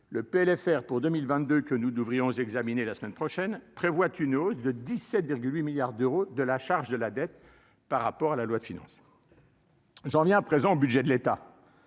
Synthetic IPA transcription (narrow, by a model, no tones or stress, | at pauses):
ləpeɛlɛfɛʁpuʁd̪ømilvɛ̃t̪̚d̪økənud̪əvʁijɔ̃zɛɡzaminelasmɛnpχɔʃɛnpχevwat̪ʰynozd̪əd̪isɛt̪viʁɡʲylwimiljaʁd̪øʁod̪əlaʃaʁʒd̪əlad̪ɛt̪̚ | paʁːapɔʁalalwad̪əfinɑ̰̃s | ʒɑ̃vjɛ̃apχezɑ̃obyd̪ʒɛd̪əlet̪a̰